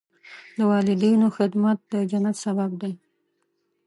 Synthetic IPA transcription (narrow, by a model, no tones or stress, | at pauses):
ləwɑlɪd̪ijnoxɪd̪mat̪̚d̪əd͡ʒanat̪sabab̚d̪aj